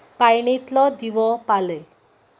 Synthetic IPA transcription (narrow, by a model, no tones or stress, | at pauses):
pajɳ̃it̪lɔd̪iʋɔpale